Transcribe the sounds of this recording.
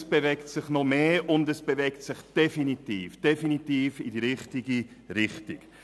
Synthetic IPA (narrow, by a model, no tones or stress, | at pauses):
sb̥evɛktsɪχnɔmeːʊndɛsb̥evɛktsɪχd̥ɛfinitiːfd̥efinitiːfidiɾɪχtiɡi | ɾɪχtɪk